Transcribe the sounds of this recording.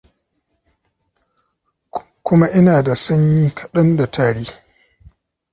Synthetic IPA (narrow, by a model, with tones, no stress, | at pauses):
kʷʊ˦ma˦ʔɪ˦naː˨da˨sɐ˦ɲjiː˦kʰɐ˨ɗɐ˦nda˨tʰaː˨ɽeː˦